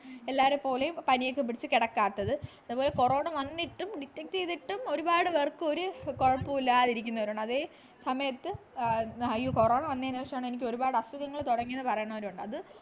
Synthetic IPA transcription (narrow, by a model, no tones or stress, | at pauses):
elːaːʋɐɾepo̞ːle̞jumpɐnijekːɨp̬ːiɽit͡ɕːɨkeɽɐkːaːt̪ːɐðɨɐðubo̞ːle̞ko̞ro̞ːɳɐʋɐnːiʈːumɖitːɐk̚t͡ɕejt̪ːiʈːumo̞ɾubaːɽɨʋɐrkːɨo̞ɾuko̞ɻɐpːuilːaːðiɾikʲːunːɐʋɐɾuɳɐðeː | sɐmɐjɐt̪ːɨ | ɐjuko̞ro̞ːɳɐʋɐnːiɐnuʋɐʂjɐmaːɳɨenikʲːo̞ɾubaːɽɨɐsuɣɐŋːɐɭt̪uɽɐŋːijnːɨpɐrɐjuɳɐʋɐɾuuɳɖɨɐðɨ